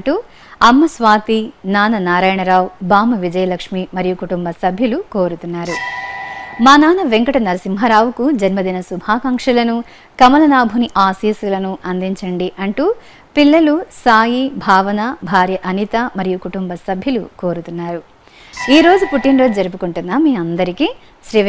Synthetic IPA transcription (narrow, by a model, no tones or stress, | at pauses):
ʈu | ɐmːɐsʋaːt̪inaːnɐnaːɾaːjɐɳɐɾaːwbaːmɐʋid͡ʒɐjɐlɐkʂmimɐɾijukuʈumbɐsɐbʱjɐluko̞ːɾut̪unːaːɾu | maːnaːnɐʋeŋkɐʈɐnɐlɐsimɦɐɾaːʋukud͡ʒɐnmɐd̪inɐsubʱaːkɐŋkʂɐlɐnu | kɐmɐlɐnaːbʱuniʔaːsiːsulɐnuʔɐnd̪iɲt͡ʃɐɳɖiʔɐɳʈuː | pilːɐlusaːjibʱaːʋɐnɐbʱaːɾjɐʔɐnit̪ɐmɐɾijukuʈumbɐsɐbʱjɐluko̞ːɾut̪unːaːɾu | iːɾo̞ːd͡ʒupuʈːinɾoːd͡ʒd͡ʒɐɾup̬ukuɳʈunːaːmːiːɐnd̪ɐɾikiː | ʃɾiː